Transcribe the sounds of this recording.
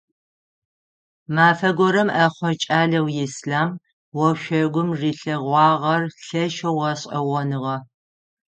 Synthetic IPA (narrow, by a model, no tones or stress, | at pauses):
maːfɐɡʷɔɾɐmɐχʷɔt͡ʃʼaːɮɐwjɪsɬaːm | wɔʃʷɔɡʷʊmʐiːɬɐʁʷɑːʁɐrɬɐʃɐwʁɐɕʼɐwɐnɨʁɐ